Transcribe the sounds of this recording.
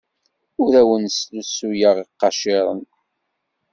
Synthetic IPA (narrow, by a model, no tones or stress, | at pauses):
ʊɾæwənslusːujəʁiqːɑʃɪɾˤə̰n